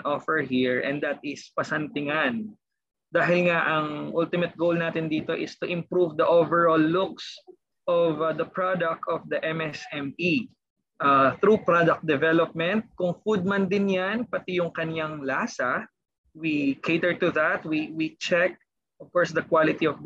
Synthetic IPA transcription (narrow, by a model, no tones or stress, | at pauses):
nʔɔfɛɹɦiɹʔɛ̰̃nd̪ɐt̪̚ɪspɐsɐnt̪ɪŋan | d̪aːɦɪlŋaʔɐŋʔult̪ɪmɐt̪̚ɡowlnaːt̪ɪnd̪iːt̪o̞ʔɪst̪ʊʔɪ̃mpɾuvd̪ɐʔovɛɹoːlːʊks | ʔɔvd̪ɐpɹad̪ɐk̚t̪ɔvd̪ɐʔɛmɛsɛmi | ʔaθɾupɹad̪ɐk̚t̚d̪ɛvɛlɔp̚mɛnt̪̚kʊŋfud̪̚mɐnd̪ɪnjanpɐt̪ijʊŋkɐnjaŋlaːsɐ | wikʰet̪ɛɹt̪ʊðɐt̪wiwit͡ʃɛk̚ | ʔɔv̥kɔɹsd̪ɐkwalɪt̪iɔv